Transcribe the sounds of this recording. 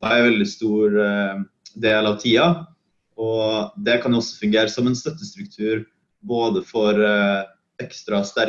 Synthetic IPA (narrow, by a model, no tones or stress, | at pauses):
ɾɛnʋɛld̪ɪst̪uːɾ | d̪eːlɑʋt̪ʰiːɑ | ɔd̪ɛkʰɑnjʊɔsɔ̥fʉŋɡeːɾəsɔmɛnst̪œt̪ːəst̪ɾʉkt̪ʰʉːɾ | boːd̪əfɔɾ | ɛkst̪ɾɑst̪æɾ